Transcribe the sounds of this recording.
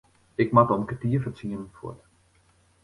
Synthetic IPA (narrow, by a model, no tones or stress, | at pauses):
ɪkmatɔmkətiəfət͡siənənfṵət